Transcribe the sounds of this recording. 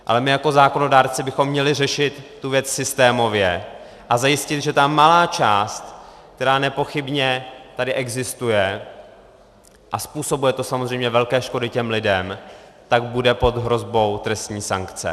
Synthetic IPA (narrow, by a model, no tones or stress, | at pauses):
ʔa̰lɛmɪjako̞zaːko̞no̞daːɾt͡sɪbɪxo̞mːɲɛlɪrɛʃɪt̪ːuvjɛt͡ssɪst̪ɛːmo̞vjɛ | ʔazajɪscɪt̪ʒɛt̪amːalaːt͡ʃaːst̪kt̪ɛɾaːnɛpo̞xɪbɲɛt̪adɪʔɛɡzɪst̪ujɛ | ʔaspuːso̞bujɛt̪o̞samozrɛjmɲɛvɛlkɛːʃkodɪcɛmlɪdɛmt̪aɡbudɛpo̞d̪ɦɾo̞zbo̞wt̪ɾɛst̪ɲiːsaŋkt͡sɛ̰